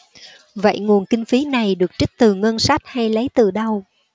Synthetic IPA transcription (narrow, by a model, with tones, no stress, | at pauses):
və̰˧˨jŋu˨˩ənkï˧ŋ̟fi˨˦na˨˩jɗɨ˨˩ək̚t͡ɕi˦˥k̟̚t̪ɨ˨˩ŋə˧nsa˦˥t̚ha˧jlə˨˦jt̪ɨ˨˩ɗə˧w